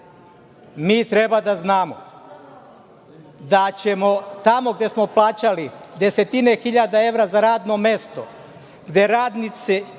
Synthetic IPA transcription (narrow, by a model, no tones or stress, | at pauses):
miːt̪ɾe̞bad̪aznaːmo̰ | d̪at͡ɕe̞mo̞t̪amo̞ɡd̪je̞smo̞plˠaːt͡ɕalid̪e̞se̞t̪inexiʎad̪ae̞ʋɾazaɾaːd̪no̞me̞st̪o̞ | ɡd̪je̞ɾaːd̪nit̪se